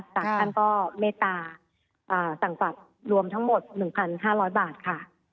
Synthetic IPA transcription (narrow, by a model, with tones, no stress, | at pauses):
saː˨˩a˥˩nkɔː˥˩meː˧˩t̪aː˧ | ʔɤː˨˩sa˨˩ŋsa˨˩t̪̚ | ɾu˧əmt̪ʰa˦˥ŋmo˨˩t̪̚nɯ˨˩ŋpʰa˧nɦaː˥˩ɾɔː˦˥jbaː˨˩t̪̚kʰa˥˩